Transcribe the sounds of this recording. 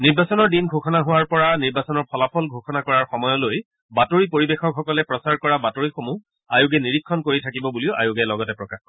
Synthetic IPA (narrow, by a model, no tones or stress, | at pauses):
niɹbasɔnɔɹdinɡʱoxɔnaɦuwaɹpɔɹaniɹbasɔnɔɹpʰɔlapʰɔlɡʱoxɔnakɔɹaɹxɔmɔjɔloj | batoɹipoɹibexɔkxɔkɔlɛpɹɔsaɹkɔɹabatoɹixomu | ajuɡɛniɹikʰːɔnkoɹitʰakibɔbuliʊʔa̰juɡɛlɔɡɔtɛpɹɔkax